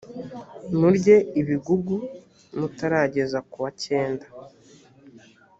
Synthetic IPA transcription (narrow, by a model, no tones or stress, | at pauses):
nuɾɟe̞iβiɡuɡu | nutaɾaːɟe̞zakuβace̞ːndḁ